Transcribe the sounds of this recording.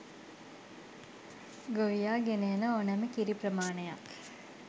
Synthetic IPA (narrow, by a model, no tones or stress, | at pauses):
ɡoʋijaːɡenejənəonæməkiɾiprəmaːneja̰k